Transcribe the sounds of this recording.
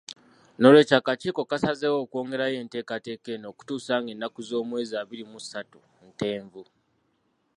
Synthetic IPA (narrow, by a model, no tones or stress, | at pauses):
no̞lwe̞ːcaːkaciːkokasazewo̞ːkwo̞ːŋɡe̞ɾaje̞ːnte̞ːkate̞ːke̞no̞ːku̥tuːsaːŋɡe̞nːakuzo̞ːmwe̞ːziaːβiɾimusatu̥ | nte̞ːɱvu